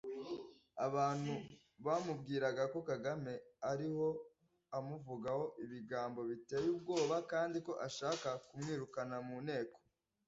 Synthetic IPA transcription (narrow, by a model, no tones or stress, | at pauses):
aβaːn̥hu | βamubɡiːɾaɡako̞kaɡame̞aɾiho̞ | amuvuɡaho̞ʔiβiɡaːmbo̞βite̞ːjuːbɡo̞ːβakaːndiko̞ʔaʃaːkakumŋiːɾukanamuːne̞ːko̥